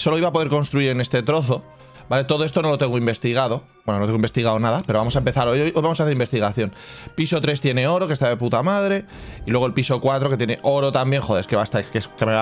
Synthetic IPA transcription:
so̞loiβapo̞ðeɾko̞nst̪ɾuiɾe̞ne̞st̪e̞t̪ɾo̞θo̞ | bale̞t̪o̞ðo̞est̪o̞no̞lo̞t̪e̞ŋɡo̞imbe̞st̪iɣ̞aðo̞ | bwenonot̪eimbe̞st̪iɣ̞aonaðapeɾoβamos̬aempe̞θaɾojojʔojβamosaθeɾimbest̪iɣaθjo̞npiso̞t̪ɾe̞st̪je̞ne̞o̞ɾo̞kest̪aðeput̪amaðɾe̞ | ilwe̞ɣ̞olpiso̞kwat̪ɾoket̪jene̞ʔo̞ɾo̞t̪ambje̞ŋxo̞ðe̞ɾeskeβast̪akeskeme

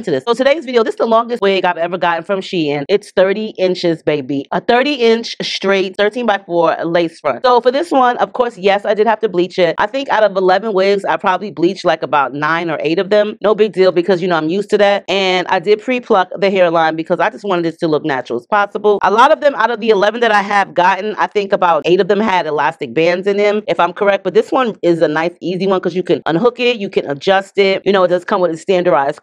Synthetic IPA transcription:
ntɨðɪsoʊtʰɨdeɪzvɪɾioʊðɪsðəlɔ̃ŋɡɨstweɡaɪvɛvə˞ɡɑʔn̩fɹʌ̃mʃiɪ̃nɪtsθɜ˞ɾiʔɪ̃nt͡ʃɪzbeɪbiəθɜ˞ɾiɪ̃nt͡ʃstɹ̥eɪt̚θɜ˞tʰĩnbaɪfɔɹleɪsfɹʌ̰̃ntsoʊfə˞ðɪswʌ̃nʔʌv̥kʰɔɹsjɛsaɪdɨd̚hæftɨblit͡ʃɪt̚ʔa̰ɪθɪ̃ŋkaʊɾʌvəlɛvɨ̃nwɪɡzaɪpʰɹ̥ɑbəbliblit͡ʃlaɪkəbaʊtⁿnãɪ̃nə˞ʔeɪɾʌvðɨ̃mnoʊbɪɡ̚dilˠbɨkʰʌzjɨnoʊãɪ̃mjʉstʰɨðæt̚ɨ̃nʔa̰ɪdɨd̚pʰɹ̥ipʰl̥ʌk̚ðɨɦɛɹlãɪ̃nbɨkʰʌzaɪd͡ʒʌst̚wɑ̃ɾ̃nɨɾɨtʰɨlʊk̚næt͡ʃɹl̩ˠəz̥pʰɑsəbl̩ˠʔəlɔɾʌvðɨ̃maʊɾʌvðiɨlɛṽn̩ðɨɾaɪɨvɡɑʔn̩a̰ɪθɪ̃ŋkəbaʊt̚ʔeɪɾʌvðɨ̃mɨɾɨlæstɨk̚b̥æ̃ndzɨ̃nɪ̃mɨfãɪ̃mkʰə˞ɛk̚b̥ʌt̪̚ðɪswʌ̃nɪzɨnaɪsiziwʌ̃nkʰʌzjɨkɨ̃nʔʌ̰̃nɦʊkɪt̚jɨkʰɨ̃nə̰d͡ʒʌstɪt̚jɨñoʊɨt̚d̥ʌz̥kʰʌ̃mwɨðɨstæ̃ndə˞daɪz̥

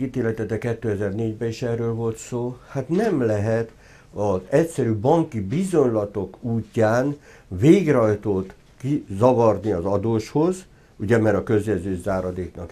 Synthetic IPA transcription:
iːt̪eːlɛt̪ɛt̪ːɛkɛt̪ːøːɛzɛrneːɟbɛiʃɛrːøːlvo̞lt̪soːhat̪nɛmlɛɦɛt̪ | ɒzɛcsɛɾyːbɒŋkibizo̞ɲlɒt̪o̞kuːcːaːn | veːɡrɒjt̪oːt̪ | kizɒvɒrniɒzɒd̪oːʃho̞z | uɟɛmɛɾɒkø̞zjɛzøːzaːɾɒd̪eːknɒk

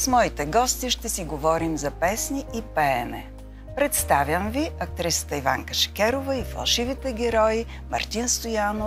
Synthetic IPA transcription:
smɔit̪ɛɡɔst̪iʃt̪ɛsiɡovɔɾimzɐpɛsniipɛɛmɛ̰ | pɾɛt̪st̪avjəmviɐk̚t̪ɾisə̥t̪əiva̰ŋkəʃɛ̥kʲɛɾovɐifɐ̰lˠʃivit̪ɛɡʲɛɾɔi | mɐ̰ɾt̪inst̪ojano

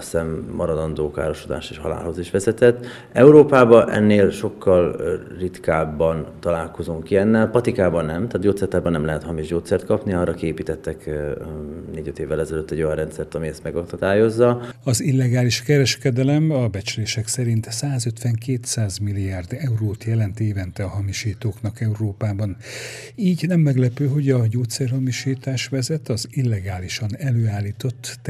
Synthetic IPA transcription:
sɛmːɒɾɒd̪ɒnd̪oːka̰ːɾo̞ʃod̪a̰ːʃeːʃhɒ̰la̰ːlho̞ziʃʋɛzɛt̪ɛt̪ː | ɛuɾoːpaːbɒʔɛ̰nːeːlʃo̞kːɒl | rit̪kaːbːɒnt̪ɒlaːlko̞zoŋkiɛnːɛlpɒt̪ikaːbɒnnɛmt̪aːt̪ɟoːt̪sɛrt̪aːɾbɒnɛmlɛɦɛt̪hɒmiʒɟoːt̪sɛrt̪kɒpniɒrʔɒkieːpiːt̪ɛt̪ːɛk | neːɟøt̪eːvːɛlɛzɛløt̪ːɛɟːo̞jɒnrɛnt̪sɛrt̪ɒmiɛst̪mɛɡod̪aːjo̞zːɒɒzilːɛɡaːliʃkɛɾɛʃkɛd̪ɛlɛmɒbɛt͡ʃleːʃɛksɛɾint̪saːzø̞t̪ʋɛŋkeːt̪saːzmilːiaːrd̪ɛuroːt̪jɛlɛnt̪eːvɛnt̪ɛɒɦɒmiʃiːt̪oːknɒkɛuroːpaːbɒn | iːɟnɛmːɛɡlɛpøːɦo̞ɟɒɟoːt̪sɛrɦɒmiʃiːt̪aːʃʋɛzɛt̪ɒzilːɛɡaːliʃɒnɛløːaːlːiːt̪o̞t̪ː

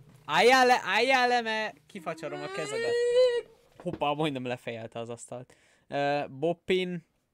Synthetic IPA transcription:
ajalɛʔajːalːɛmɛkifɒt͡ʃɒɾo̞mɒkɛzɛd̪ɛt̪ | hupːɒmojnɛmlɛfɛjɛlt̪ɛɒzɒst̪ɒlt̪ | øːbopːin

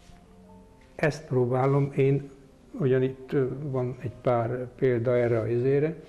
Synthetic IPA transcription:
ɛst̪proːbaːlo̞meːn | uɟɒnit̪ːʋɒnɛɟpaːrpeːld̪ɒɛːrːɛɒizeːɾɛ

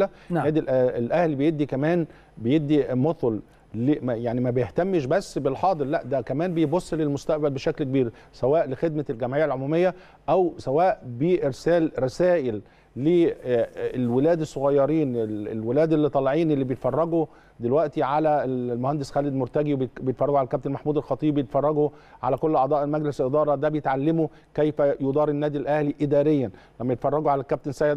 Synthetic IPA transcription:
læ | æːd̪ilʔæelʔæhlibejed̪ːikæmæːn | bejebd̪ːimot̪ˤol | lemjaʕnimæbejeht̪æmːeʃ̬bæsːbelħɑːd̪ˤɨɾlæʔd̪ækæmæːnbejbosˤːlelmost̪æʔbælbeʃæklk̚biːɾsæwæːʔlexed̪̚mælɡæmʕiːʕalʕomuːmejːæ | ʔæwsæwæːʔbiʔeɾsæːlɾˤɑsæːʔelː | e | lwelæːd̪esˤːoɣɑjːɑɾiːnelḛlwelæːd̪elːit̪ˤɑlʕiːnelːiːbejet̪fɑrˤːɑɡo | d̪elwæʔt̪iʕalælmohænd̪esxæːled̪moɾt̪æɡiwbejet̪fɑrˤɑɡoʕalælkæbt̪enmaħmuːd̪elxɑt̪ˤiːbbjet̪fɑrˤːɑɡoʕa̰lækolːʔɑʕd̪ˤɑːʔelmæɡleselʔed̪ɑːɾˤɑd̪æbejet̪ʕalːemo | kæjfæjod̪ˤɑːɾˤenːæːd̪ilʔæhliʔɪd̪æːɾejːæn | læmːæjet̪fɑrˤːɑɡoʕalækæb̚t̪ensæːjd̪

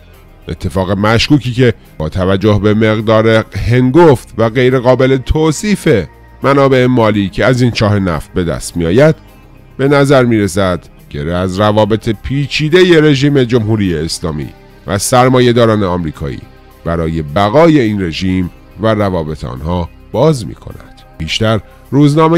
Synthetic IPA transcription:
ʔe̞̰t̪ʰːe̞fɒːɣe̞mæʃkuːcʰiːcʰe̞ | bɒːt̪ʰævæd͡ʒːo̞hbe̞me̞ɣd̪ɒːɾehe̞ŋɡoft̪væɣe̞jɾe̞ɣɒːbe̞le̞t̪ʰoːsiːfe̞ | mænɒːbe̞ʔemɒːliːcʰe̞æziːnt͡ʃʰɒːɦe̞næ̰ft̪̚be̞d̪æ̰st̪miɒ̰ːjæd̪̥ | be̞næzæɾmiːɾesæd̪̥ | ɟeɾeæzrævɒːbe̞t̪ʰe̞pʰiːt͡ʃʰiːd̪e̞jeɾe̞ʒiːme̞d͡ʒo̞mɦuːɾiːjeːslɒːmḭː | væsæɾmɒːje̞d̪ɒːɾɒːneɒmɾiːkʰɒ̰ːḭː | b̥æɾɒːje̞bæɣɒːje̞iːnre̞ʒiːm | værævɒːbe̞t̪ʰeɒ̰ːnhɒː | b̥ɒːzmḭːkʰo̞̰næ̰d̪̥piːʃt̪æɾ | ɾuːznɒːme

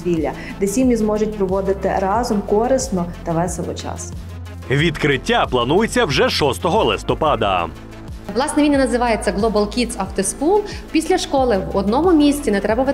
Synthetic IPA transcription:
ʋʲilʲːɐ̰ | d̪ɛsʲimʲizmɔʒʊt̚ʲpɾɔʋɔd̪ɪt̪ɪɾɑzɔmkɔɾɪsnɔt̪ɐʋɛsɛlˠɔ̰t͡ʃɑ̰s | ʋʲit̪kɾɪtʲːaplˠɐnujet͡sʲːɐwʒɛʃɔst̪ɔɦɔlˠɪst̪ɔpɑd̪ɐ̰ | ʋlˠɑsnɛʋʲinʲɐnɐzɪʋɑjet͡sʲːɐɡlˠɔbɐlˠkʲit͡s̪ɐft̪eskulˠpʲisʲlʲɐʃkɔlˠɪwɔd̪nɔmʊmʲisʲt͡sʲinɛt̪ɾɛbɐʋ

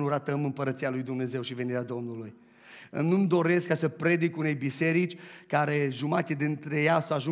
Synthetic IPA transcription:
nuɾat̪əmɨmpəɾət̪sialujd̪umne̞ze̞wʃive̞niɾʲead̪o̞mnuluj | ɨ̰mnumd̪o̞ɾe̞skːasəpɾe̞d̪ikune̞jbise̞ɾit͡ʃʲkaɾe̞ʒumat̪ʲed̪int̪ɾe̞jasawaʒu

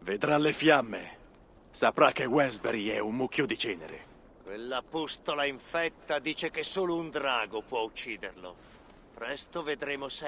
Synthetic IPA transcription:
ved̪ɾalefjamːḛ | sapɾakːewɛzbeɾɛumːuk̟ʰːjod̪it͡ʃɛːnḛɾḛ | kwelːapust̪olaiɱfɛt̪ːad̪iːt͡ʃekesoːlound̪ɾaːɡopwɔut͡ʃːiːd̪erlo̰ | pɾɛst̪oved̪ɾeːmos

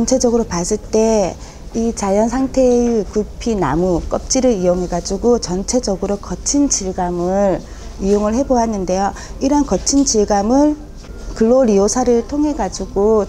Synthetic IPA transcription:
t͡ɕʌnt͡ɕʰe̞d͡ʑʌɡɯɾopas͈ɯɭt͈e̞ | it͡ɕajʌns̬ʰaŋtʰe̞ikuɭpʰina̰muk͈ʌp̚t͡ɕ͈iɾɯijoŋɦe̞ɡad͡ʑuɡot͡ɕʌnt͡ɕʰe̞d͡ʑʌɡɯɾokʌt͡ɕʰind͡ʑiɭɡamɯɾ | ijoŋɯɭhe̞boanːɯnde̞jo | iɾʌnkʌt͡ɕʰind͡ʑiɭɡamɯɭ | kɯɭːoɾijosʰaɾɯɭtʰoŋɦe̞ɡad͡ʑuɡo

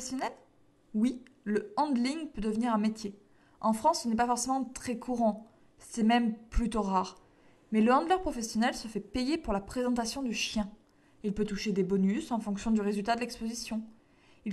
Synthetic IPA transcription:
sjɔnɛl | wiləɑ̃d̪liŋpød̪əvniʁɛ̃met̪je | ɑ̃fχɑ̃sːənɛpafɔʁsemɑ̃t̪χɛkʰuʁɑ̃ | sɛmɛmplyt̪oʁaːʁ | mɛləɑ̃d̪lœʁpχɔfɛsjɔnɛlsəfɛpejepuʁlapχezɑ̃t̪asjɔ̃d̪yʃjɛ̃ | ilpøt̪uʃed̪ebɔnysɑ̃fɔ̃ksjɔ̃d̪yʁezylt̪ad̪əlɛkspozisjɔ̃ | il

